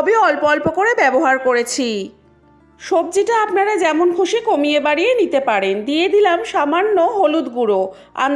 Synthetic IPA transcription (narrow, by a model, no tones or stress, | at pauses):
bioɔlpɔlpokoɾebɛboɦaɾkoɾet͡ɕʰi | ʃob̚d͡ʑiʈaapnaɾad͡ʑɛmonkʰoʃekomiebaɽijenit̪epaɾend̪ijed̪ilamʃamanːoɦolud̪ɡuɾo | a̰m